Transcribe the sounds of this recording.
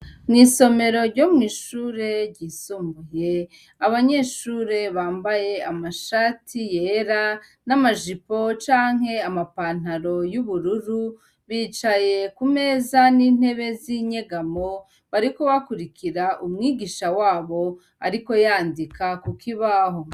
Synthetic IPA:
niːso̞me̞ɾo̞ɾɟo̞mŋiːʃuːɾe̞ɾɟisuːmbuje̞ | aβaɲe̞ːʃuːɾe̞βaːmbaje̞amaʃaːtʰijeɾanamaʒipo̞t͡ʃaːŋɦe̞amapaːn̥aɾo̞juβuɾuɾu | βiːt͡ʃaje̞kume̞ːzaniːn̥he̞βe̞ziɲe̞ɡamo̞ | βaɾiko̞βakuɾikʰiɾaʔumŋiːɡiːʃawaːβo̞ | aɾiko̞jaːndikʰakukʰiβaɦo̞

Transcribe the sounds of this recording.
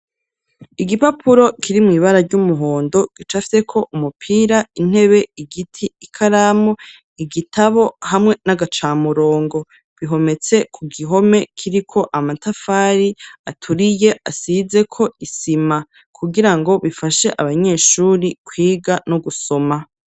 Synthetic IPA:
iɡipapʰuɾo̞kʰiɾimŋiːβaɾaɾɟumuɦo̞ːndo̞ɡ̥it͡ʃafi̥se̞kʰo̞ʔumupʰiːɾain̥he̞βe̞iɡitʰiːkʰaɾaːmo | iɡitʰaβohamŋe̞naɡat͡ʃaːmuɾo̞ːŋɡo̞ | βiɦo̞me̞t͡se̞kʰuɡiɦo̞me̞kʰiɾikʰo̞ʔamatafaːɾiatʰuɾije̞ʔasize̞kʰo̞isima | kʰuɡiɾaŋɡo̞βifaʃe̞ʔaβaɲe̞ːʃuːɾikʰwiːɡanuɡuso̞ma

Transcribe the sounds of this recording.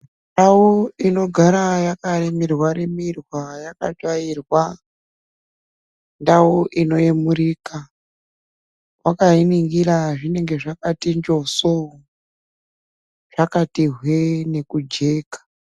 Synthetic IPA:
ndawuino̞ɡʱaɾajakaremirwaɾemirwajaka̰t͡ʃairwa | ndawuʔino̞emuriːka | wakainiŋɡiɾaʐine̞ŋɡe̞ʐakatind͡ʒo̞so | ʐ̥akatiɦwene̞kud͡ʒe̞ːkḁ

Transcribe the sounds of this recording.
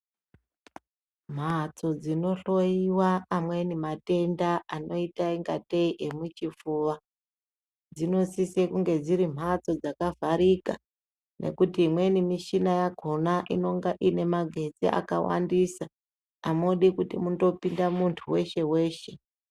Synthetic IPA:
m̤at͡so̞d͡zino̞ɬo̞jiwaːmwe̞nimate̞ndaano̞itaiŋɡa̰te̞iʔemut͡ʃifuːʋa | d͡zino̞sisekuŋɡe̞d͡ziɾim̤at͡so̞d͡zakavʱaɾika̰ | nʔe̞̰kutiːmwe̞nimiʃinajaɡʱo̞naʔino̞ŋɡaʔine̞maɡʱe̞d͡zḭʔa̰ka̰wa̰ndisaː | moɗikutimudo̞pindamuntʰuwe̞ʃe̞we̞ːʃe̞

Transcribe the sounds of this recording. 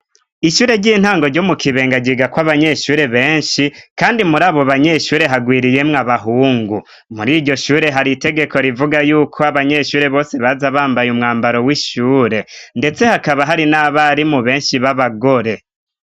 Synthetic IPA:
iʃuːɾe̞ɟiːn̥haːŋɡo̞ɾɟomukʰiβe̞ːŋɡaɟiɡakwaβaɲe̞ʃuːɾe̞βe̞ːnʃikaːndimuɾaːβo̞βaɲe̞ʃuːɾe̞ɦaɡwiːɾije̞mŋaβaɦuːŋɡu | muɾiɾɟo̞ʃuːɾe̞ɦaɾite̞ɡe̞ko̞ɾivuɡajuːkʰo̞aβaɲe̞ʃuːɾe̞βo̞ːse̞βazaβaːmbajumŋaːmbaɾo̞wiʃuːɾe̞nde̞t͡se̞hakaβaɦaɾinaβaɾimuβe̞ːnʃiβaβaɡo̞ɾe̞

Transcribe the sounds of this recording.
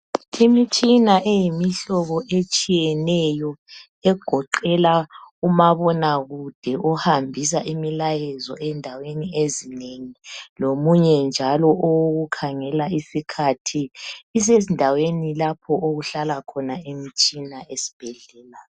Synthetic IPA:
imit͡ʃʼinaʔejimiɬɔɣɔʔet͡ʃʼijɛnɛjɔ | ɛɡ̥ʱɔǃɛlaumaβɔnaɣud̥ʱɛʔɔhambʱis̬aʔimilajɛzɔ̰ʔɛndʱaweniezineŋilomuɲɛnd͡ʒʱalɔʔowoɣukʰaŋɛlaisikʰatʰiːs̬ezindʱawenilapʰɔʔoɣuɬalakʰɔnaemit͡ʃʼinaesi̥b̥ʱɛɮɛːla

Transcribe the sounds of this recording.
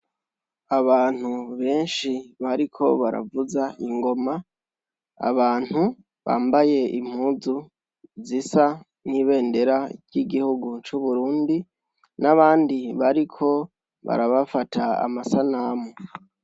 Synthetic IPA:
aβaːn̥uβe̞ːnʃiβaɾikʰo̞βaɾa̰vuzaiŋɡo̞ma | a̰βaːn̥hu | βa̰ːmbaje̞ʔim̥huːzu | zisa | niːβe̞ːnde̞ɾaɾɟ̥iɡihuɡut͡ʃuβuɾuːndi | naβaːndiβaɾikʰo̞ | βa̰ɾaβafatʰaa̰masanamu

